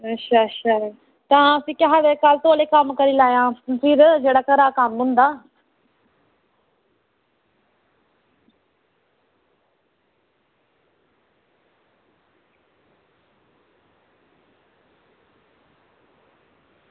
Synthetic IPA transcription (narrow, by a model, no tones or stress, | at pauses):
ʃʰaʃʰaɾ | t̪ɐʋãɐsĩːkɪɦaʋekaːlt̪oːlekəmkɐɾilaːjãːfɪɾd͡ʒeːɽaːkɐɾaːkamɦʊ̃ːnd̪aː